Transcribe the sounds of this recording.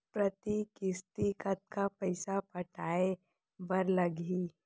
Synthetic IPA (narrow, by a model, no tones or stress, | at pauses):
pɾət̪ikɪst̪ikət̪̚kapɐɪsapɐʈʰaːe | bɐɾlɐɡiː